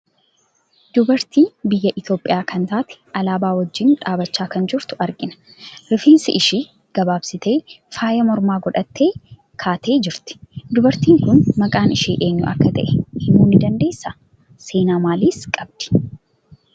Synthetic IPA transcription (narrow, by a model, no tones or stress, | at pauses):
d̪ʊbɐɾt̪iːnbɪjːɐʔɪt̪jo̞ːpʼːɪjaːkɐnt̪aːt̪ɪ̥ʔɐlaːbaːwɐd͡ʒːɪnᶑaːbɐt͡ʃːaːkɐnd͡ʒɪɾt̪ʊ̥ɐɾɡɪnɐ̥ | ɾɪfiːnsɪʔɪʃiː | ɡ̥ɐbaːbsɪt̪e̞ːfaːjɐmɔɾmaːɡɔᶑɐt̪ːe̞ː | kʰaːt̪ʰe̞ːd͡ʒɪɾt̪ɪ̥d̪ʊbɐɾt̪iːŋkʊnmɐkʼaːnɪʃiːʔe̞ːɲːʊʔɐ̰kːɐt̪ɐ̰ʔɛ̥hɪnuːnɪd̪ɐnd̪e̞ːsːa | se̞ːnaːmaːliːskʼɐbd̪̥ɪ̥